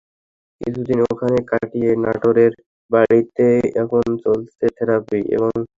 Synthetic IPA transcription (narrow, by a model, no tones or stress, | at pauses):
kḭt͡ɕʰud̪inokʰanekaʈijenaʈoɾeɾ | baɽit̪eɛkʰont͡ɕolt̪et̪ʰɛɾapiʔḛβoŋ